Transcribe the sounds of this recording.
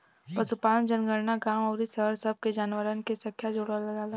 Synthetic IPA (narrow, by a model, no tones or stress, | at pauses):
pɐsupaːlənd͡ʒənɡəɽnaɡaːmɔːɾisəɦəɾsɐb̚ʱked͡ʒaːnwəɾənkesɐ̃kʰjad͡ʒoːɽalɐɡaːlaː